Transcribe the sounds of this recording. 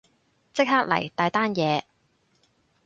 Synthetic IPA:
t͡sɪ˥k̚haː˥k̚lɐ̰˨˩jt̪aː˨˧jt̪aː˥njɛː˨˧

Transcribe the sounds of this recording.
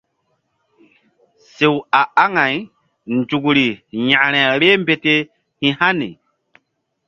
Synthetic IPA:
se˨wa˨a˦ŋa˨j | nd͡ʒu˨ɡɾi˨jã˨ɾ̃ɛ˨ɾe˦mbe˨te˦ | hĩ˨ha˦nḭ˨

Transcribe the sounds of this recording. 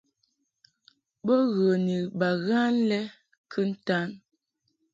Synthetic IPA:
bə˦ɣə˨ni˨ba˨ɣa˦n˦lɛ˦ | kʰə˦n̩˦ta˦n

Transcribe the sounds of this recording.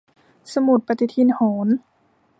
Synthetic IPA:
sa˧mu˨˩t̪̚pa˧t̪i˧t̪ʰi˧˥nhoː˩˦n

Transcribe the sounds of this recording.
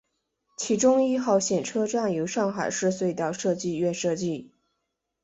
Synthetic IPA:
t͡ɕʰi˧˥ʈ͡ʂʊ˥ŋi˥˧xɑ˥˩ʊɕjɛ˨˩nʈ͡ʂʰɤ˥ʈ͡ʂa˥˩njo˧˥ʊʂɑ˥˩ŋxa˨˩ɪʂɻ̩˥˧swe˥˧ɪt̪ɑ˥˧ʊʂɤ˥˧t͡ɕi˥˧ɥɛ˥˧nʂɤ˥˧t͡ɕi˥˩

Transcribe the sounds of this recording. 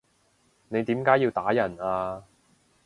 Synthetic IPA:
ne˨˧jt̪iː˨˥mkaː˨˥jiː˧wt̪aː˨˥jɐ˨˩naː˧

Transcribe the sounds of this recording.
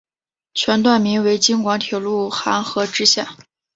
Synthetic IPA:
t͡ɕʰɥɛ˧˥nt̪wa˥˩nmi˧˥ŋwe˧˥ɪt͡ɕi˥ŋkwɑ˧˥ŋt̪ʰjɛ˨˩lu˥˩xa˧˥nxɤ˧˥ʈ͡ʂɻ̩˥ɕja˥˩

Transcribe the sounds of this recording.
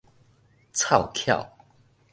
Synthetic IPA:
t͡sʰɑ˥˨ʊkʰjɑ̰˥˨˩ʊ

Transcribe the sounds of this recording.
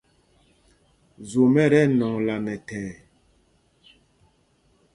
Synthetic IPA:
zo˨mɛ˦˨ɾɛ˦˨nɔ˨ŋla˨nɛ˨tɛː˨

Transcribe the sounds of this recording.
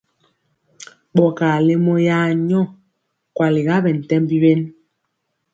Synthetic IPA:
ɓɔ˨ka˨le˦mɔ˦ja˦ɲɔ˦˨ | kwa˨li˨ɣa˦bɛ˨n̩˨tɛ˦mbi˦be˦n

